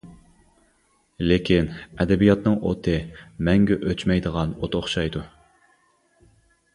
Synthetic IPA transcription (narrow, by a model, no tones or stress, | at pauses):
lekʲinɛd̪ɛbijɑt̪nɨŋʔo̰t̪ʰɨmɛŋɡʲɛʔøt͡ʃmɛjd̪əʁɑnot̪ʰoχʃɑjd̪u